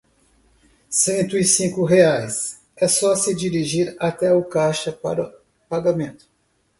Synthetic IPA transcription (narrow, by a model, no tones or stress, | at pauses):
sẽnt̪ʊɪsĩkʊɦeajs | ɛsɔsɪd͡ʒiɾiʒiɾat̪ɛʊkaʃɐpa̰ɾɐ | paɡamẽnt̪ʊ̥